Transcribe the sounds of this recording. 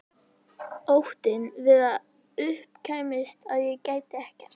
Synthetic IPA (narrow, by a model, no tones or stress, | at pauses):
owht̪ɪnvɪða | ʏhpcʰaːjmɪst̪aðjɛɣcaːjt̪ɪɛhcɛr̥t̪